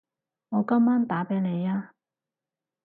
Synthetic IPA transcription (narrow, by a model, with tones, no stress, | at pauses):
ŋɔː˨˧kɐ˥mːaː˥nt̪aː˨˥pe˨˥le˨˧jaː˧